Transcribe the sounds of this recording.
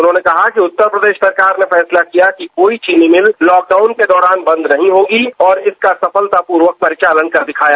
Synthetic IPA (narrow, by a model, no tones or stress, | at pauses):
ʊnɦõːnekɐɦakiʊt̪ːəɾpɾəd̪eːʃsɐɾkaːɾnefɛːslakijakikoːit͡ʃinĩmɪllɔːk̚ɖaːʊnked̪ɔːɾaːnbɐ̃nd̪nɐɦĩɦoːɡiɔːɾɪskasɐpəlt̪apuːɾʋək̚pɐɾɪt͡ʃaːlənkɐɾd̪ɪkʰaːjaː